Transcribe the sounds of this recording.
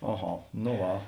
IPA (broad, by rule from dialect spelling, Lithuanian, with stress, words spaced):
ɐˈɣɐ noː ˈʋɐ